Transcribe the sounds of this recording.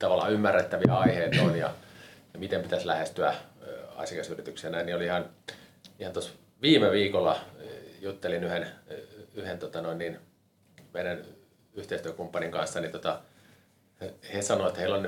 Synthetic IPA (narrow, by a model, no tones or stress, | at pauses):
t̪ɑʋɑlːˑɑ̰ymːærːet̪ːæʋiæɑiheːt̪onjɑ̰jɑmit̪empit̪æslæhest̪yæ̰ɑ̰sʲjɑkesyrit̪yksenæinioliihɑn | ihɑnt̪os | ʋiːmeʋiːkolːɑjut̪ːelinyhen | yhent̪ot̪ɑnoinnin | meiɾæn | yht̪eˑist̪yøkumpːɑniŋkɑnsːɑnit̪ot̪ɑ | hesɑnoet̪heilːon